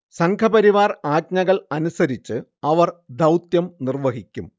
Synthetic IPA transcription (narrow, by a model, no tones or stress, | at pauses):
sɐŋkʰɐbɐɾiʋaːraːt̚ɲɐɣɐɭɐnusɐɾit͡ɕːɨɐʋɐrd̪ɐwt̪jɐmnirʋɐɦikʲːum